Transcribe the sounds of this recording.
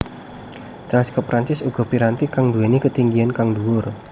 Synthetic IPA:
t̪askɔpːɾaɲt͡ʃɪsuɡ̥ɔ̤piɾant̪ikaŋduenekət̪iŋɡiankaŋduwʊr

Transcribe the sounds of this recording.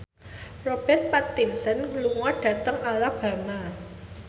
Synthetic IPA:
rob̥ɛt̪̚pat̪ːinsənluŋaɖ̥a̤t̪əŋalab̥a̤ma

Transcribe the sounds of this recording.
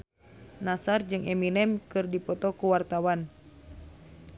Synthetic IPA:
nasard͡ʒɨŋɛminɛmkɨrdipɔt̪ɔkuwart̪awan

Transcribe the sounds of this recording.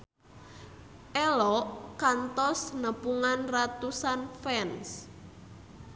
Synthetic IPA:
ʔɛlɔkant̪ɔsnəpuŋanrat̪usanfɛns

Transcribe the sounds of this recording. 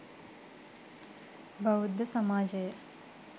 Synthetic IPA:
bɐʋud̪ːɐsɐmaːd͡ʒɐjə

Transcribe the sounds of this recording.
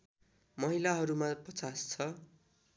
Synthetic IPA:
mʌɦilaɦʌɾumapʌt͡sast͡sʰʌ

